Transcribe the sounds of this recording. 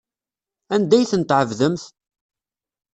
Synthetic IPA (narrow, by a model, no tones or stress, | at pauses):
ænd̪æjθənt̪ʕəvðəmθ